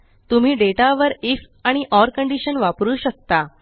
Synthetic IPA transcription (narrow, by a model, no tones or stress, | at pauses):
t̪um̤iːɖeʈaʋəɾif | aɽ̃iʔɔɾkəɳɖiɕənʋapɾuːɕək̚t̪a